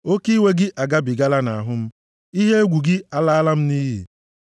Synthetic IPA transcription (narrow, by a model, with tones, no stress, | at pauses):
o˦ki˦we˦ɡɪ˦ʔa˨ɡa˦bi˨ɡa˦la˦na˨a˨ɦʊ˦m̩˦ | i˦ɦe˦e˦ɡʷu˨ɡɪ˦a˦la˦a˦la˦m̩˦niː˦ɦḭ˨